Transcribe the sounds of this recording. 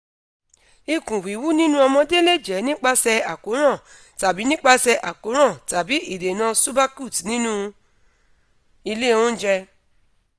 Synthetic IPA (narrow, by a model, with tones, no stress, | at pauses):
i˧kũ˨wi˨˦wu˦nĩ˦nũ˦ɔ˧mɔ̃˧de˦le˦˨d͡ʒɛ˨˦nĩ˦k͡pa˦sɛ˧a˨ko˨˦ɾ̃ã˦˨ | ta˨bi˨˦nĩ˦k͡pa˦sɛ˧ʔa˨ko˨˦ɾ̃ã˦˨ta˨bi˨˦i˦˨de˨nã˧su˦ba˦ku˦˨tnĩ˦nũ˦ | i˧le˦˨ũ˦d͡ʒɛ˧